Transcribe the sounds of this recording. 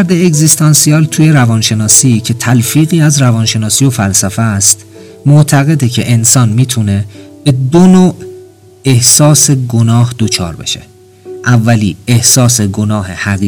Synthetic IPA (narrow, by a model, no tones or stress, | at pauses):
ɾd̪eːɡzist̪ʰɒnsiɒːlt̪ʰuːje̞ɾævɒnʃe̞nɒːsicʰe̞t̪ʰælfiːɣiːæzrævɒːnʃe̞nɒːsiːjo̞fælsæfest̪ | moʔt̪ʰæɣe̞d̪ecʰe̞̰ʔensɒːnmiːt̪ʰune̞b̥e̞d̪onoːʔ | e̞hsɒːse̞ɡonɒːhd̪̥o̞t͡ʃʰɒ̰ːɾbe̞̰ʃḛ | ʔævːæliːehsɒːseɡo̞nɒːhe̞hæɣi